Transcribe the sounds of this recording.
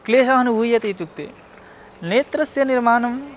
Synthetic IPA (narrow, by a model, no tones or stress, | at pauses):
kleːsaɦɐnubʱujɐt̪it̪uk̚t̪ḛ | neːt̪ɾɐsjɐniɾmaːnɐm